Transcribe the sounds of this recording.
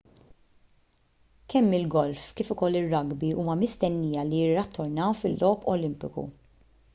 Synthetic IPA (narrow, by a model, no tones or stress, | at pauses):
kʰɛmːɪlɡɔlfkiːfʊkɔlːɪrːɐɡbiʔuːmɐmɪst̪ɛnːiːjɐlijɪrːɐt̪ːɔɾnɐwfɪlːʔɔːpʰɔlɪmpɪkṵ